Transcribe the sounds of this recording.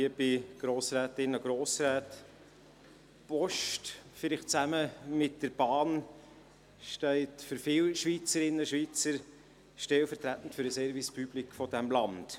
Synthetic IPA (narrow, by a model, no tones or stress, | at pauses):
iəb̥ɪɡ̥ɾoːsræːtɪnːəəɡ̥ɾoːsɾæːt | pɔʃtfɪlɪχtt͡sæməmɪt̚d̥əɾb̥ɑːn | ʃtɛɪtfʏɾfɪlʃʋit͡səɾɪnːəʃʋit͡səɾ | ʃtɛlfəɾtɾæt̪n̩tfʏɾəsɛɾvispyb̥likfɔdæmlɑnd̥